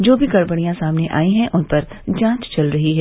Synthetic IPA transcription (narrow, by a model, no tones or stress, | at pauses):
d͡ʒoːbʱiɡɐɽbəɽ̃ijãsaːmneʔa̰ːĩɦɛ̃ʔʊnpɐɾ | d͡ʒãːt͡ʃt͡ʃɐlɾɐɦiɦɛː